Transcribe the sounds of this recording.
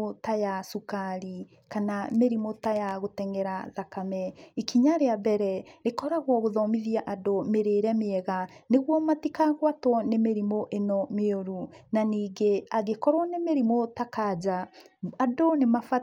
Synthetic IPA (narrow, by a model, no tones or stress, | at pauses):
otajasukaɾi | kanameɾimotajaɣotɛŋɛɾaðakamɛikiɲaɾeabɛɾɛɾekɔɾaɣwɔɣoðɔmiðiaʔadomeɾeɾɛmeɛɣaneɣwɔmatikaɣwatwɔnemeɾimoʔenɔmeoɾunaniːɡeaɣekɔɾwɔnemeɾimotakad͡ʑaadonemafa